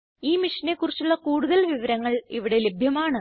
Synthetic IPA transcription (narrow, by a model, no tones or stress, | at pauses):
iːmiʂɐne̞kːurit͡ɕːuɭːɐkuːɽuðɐlʋiʋɐɾɐŋːɐɭiʋiɽe̞lebʱjɐmaːɳɨ